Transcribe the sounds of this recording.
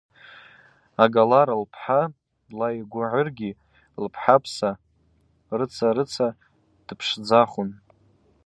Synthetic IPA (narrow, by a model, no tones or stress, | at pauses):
aɡalaɾalpʰħa | lajɡʷʊʕʊrɡʲi | lpʰħapʰsa | rɨt͡sʰaɾɨt͡sʰa | d̥ɨpʰʂd͡zaχʊn